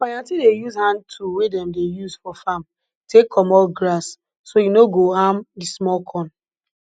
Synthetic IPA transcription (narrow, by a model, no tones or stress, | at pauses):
majãtidejuzhãntʰuwedɛmdejuzfɔfam | tekʰːɔmɔlɡɾasː | ojunoɡoɦamdismɔlkʰɔ̃n